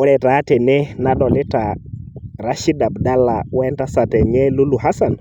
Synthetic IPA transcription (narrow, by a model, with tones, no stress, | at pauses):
ɔ˦ɾɛ˨ta˨˦tɛ˨nɛ˦na˦ɗɔ˨lɪ˦ta˨ | ɾa˦ʃi˦da˨bda˦la˨wnta˦sa˨tɛ˨ɲɛ˦lu˦lu˨ɦa˦sa˨n